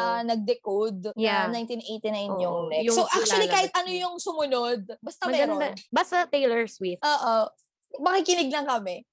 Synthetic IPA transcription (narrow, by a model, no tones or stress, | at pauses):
ɐnɐɡ̚d̪ɛkod̪̚janajnt̪inʔejt̪inajnjʊŋmɛjʊsoʔak̚t͡ʃʊɐlikaːhɪt̪̚ʔɐnojʊŋsʊmʊnod̪̚bɐst̪ɐmɐmɡɐnd̪ɐbɐst̪ɐt̪ɛjlɛɹswit̪ʔoːʔo | mɐkɪkɪnɪɡ̚lɐŋkɐmɛ